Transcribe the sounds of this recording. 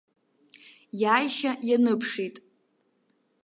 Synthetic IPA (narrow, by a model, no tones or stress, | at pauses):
jaːjʃajanɨpʰʂejtʼ